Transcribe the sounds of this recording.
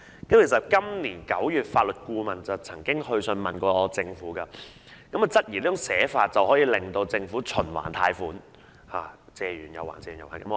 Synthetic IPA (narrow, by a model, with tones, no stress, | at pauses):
kɐ˨˦mkʰe˨˩sɐ˨t̚kɐ˥mniː˨˩nkɐ˨˥wjyː˨t̚faː˧t̚lɵ˨t̚kuː˧mɐ˨nt͡sɐ˨wt͡sʰɐ˨˩ŋkɪ˥ŋhɵ˧ɥsɵ˧nmɐ˨˩nkɔː˧t͡sɪ˧ŋfuː˨˥kɐː˧ | kɐ˨˥mɐ˨˩t͡sɐ˥t̚jiː˨˩nliː˥˩ʊ˨ŋsɛː˨˥faː˧t̚t͡sɐ˨whɔː˨˥jiː˨˧lɪ˨ŋt̪o˧wt͡sɪ˧ŋfuː˨˥t͡ʃʰɵ˨˩nwa̰ː˨˩nt̪ʰaː˧jfuː˨˥n | haː˨˩ | t͡sɛː˨jyː˨˩njɐ˨wa̰ː˨˩nt͡sɛː˧jy˨˩jwaː˨˩kɐ˨˦m˧